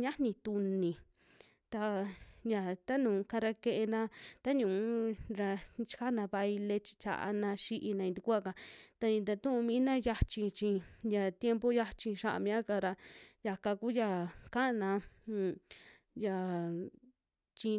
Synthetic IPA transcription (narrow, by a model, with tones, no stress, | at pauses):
ɲã˦nĩ˧t̪u˧nĩ˨ | t̪a˧ja˨t̪a˦nũː˨˧kã˧ɾa˧ke˧ʔe˧nã˧t̪a˦ɲũ˨˦ɾa˧t͡ʃi̥˧ka˦nã˧βa˧ji˧le˧t͡ʃi̥˧t͡ʃa̰˨ʔa̰˧nã˧ʃi˦ʔi˧nã˧ĩ˧t̪i˧ku˦a˦˧ka˧t̪a˧ĩ˧d̪a˧t̪ũ˦ʔũ˧mĩ˦nã˦ja˧t͡ʃi˧t͡ʃĩ˧ja˧˨t̪je˧mpo˧ja˧t͡ʃi˧ʃa˦ʔa̰˧mĩ˧˦ã˦ka˧ɾa˧ja˧ka˧ku˦ja˧ka˦ʔnã˧˨ | ja˧ | t͡ʃi˧